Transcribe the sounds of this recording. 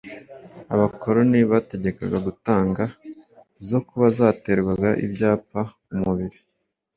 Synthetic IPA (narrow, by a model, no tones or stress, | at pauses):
aβako̞ɾo̞niβate̞ɟe̞kaɡaɡutaːŋɡa | zo̞kuβazaːte̞ɾɡaɡaʔḭbɟaːpa | umuβiɾi